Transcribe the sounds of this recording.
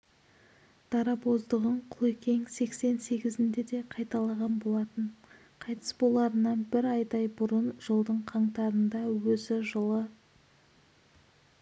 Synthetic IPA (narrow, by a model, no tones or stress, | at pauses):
d̪̥ɑɾɑpo̞zd̪əʁəɴqʰʊlˠekʲe̞ŋse̞kse̞nse̞ɡʲɪzɪnd̪e̞d̪e̞qʰɑjt̪ɑlˠɑʁɑnbo̞lˠɑt̪əɴ | qʰɑjt̪ə̥sbo̞lˠɑɾənːɑnbɪɾɑjd̪ɑjbʊɾənʒəlˠd̪əɴqʰɑɴt̪ɑɾənd̪ɑwɵzɪʒəlˠə